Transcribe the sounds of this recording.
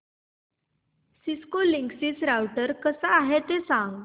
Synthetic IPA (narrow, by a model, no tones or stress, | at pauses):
siskoliŋɡsisɾawʈəɾkəsaːɦet̪esãŋɡ